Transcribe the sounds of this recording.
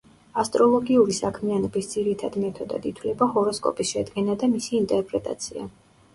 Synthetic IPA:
ast̪ʼɾɔlˠɔɡiuɾisakʰmianɔbisd̪ziɾit̪ʰad̪imɛt̪ʰɔd̪a̰d̪it̪ʰwlɛbahɔɾɔskʼɔ̰pʼisʃɛd̪ɡɛnad̪amisiːnt̪ʼɛɾpʼɾɛt̪ʼa̰t̪sʰia̰

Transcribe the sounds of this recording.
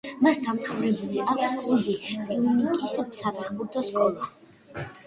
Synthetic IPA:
masd̪amt̪ʰavɾɛbuliʔakʰskʼubipʼiunikʼisbsab̪aχbuɾt̪ʰɔskʼɔlˠa

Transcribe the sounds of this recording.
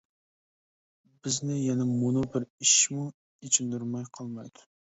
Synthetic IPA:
bɪznɪjɛnɛmunubɪɾiʃmu | it͡ʃʰind̪uɾmɑjqʰɑlˠmɑjd̪̥u̥

